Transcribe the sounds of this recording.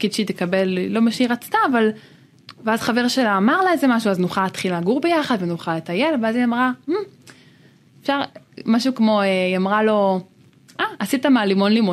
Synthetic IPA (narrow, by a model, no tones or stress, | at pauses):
kid̪ʃit̪ekabe̞lːo̞meʃeiʁat͡st̪aːval | veazχaveʁʃelaːmaʁlaezemaʃuaznuχalat̪χilaɡuʁbejaχad̪venuχalet̪aje̞lveaziamʁamm̩ | efʃaʁmaʃukmo̞eiamʁalo̞ | ʔaasit̪amaːlimo̞nlimo